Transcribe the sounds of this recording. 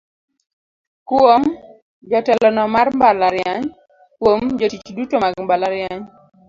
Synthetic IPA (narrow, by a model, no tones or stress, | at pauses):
kwom | d͡ʒɔtɛlɔnɔmarmbalaɾjaɲ | kwomd͡ʒotit͡ʃdutomaɡmbalaɾjaɲ